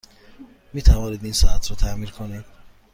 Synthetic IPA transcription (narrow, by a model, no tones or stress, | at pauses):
miːt̪ʰævɒːniːd̪insɒːæt̪ʰɾɔːt̪ʰæmiːɾkʰonid̪̥